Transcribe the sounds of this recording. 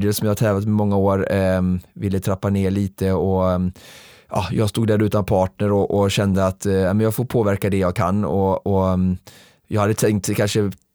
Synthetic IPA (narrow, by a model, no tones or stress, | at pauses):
d̪əlsɔmjɑːhat̪ʰɛːvlat̪mɛmɔŋːaoːɾ | vɪlːət̪ʰɾapːaneːɭiːt̪əɔ | ʔɑ̰ːjɑːɡst̪uːɡ̚d̪æɾʉ̟ːt̪anpʰɑːʈɳəɾɔʔɔɕɛnd̪əat̪aɪmɛnjɑːɡfoːɾpʰoːvæɾkad̪ɛjɑːɡkʰa̰nːɔɔ | jɑːɡhad̪ːət̪ʰɛŋkt̪kʰanʂə